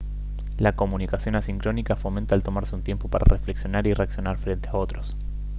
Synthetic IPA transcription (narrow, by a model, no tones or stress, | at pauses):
lako̞munikasjo̞nasiŋkɾo̞nikafo̞ment̪alt̪o̞maɾseunt̪je̞mpo̞paɾa̰rʔefleksjo̞naɾireaksjo̞naɾfɾe̞nt̪eao̞t̪ɾo̞s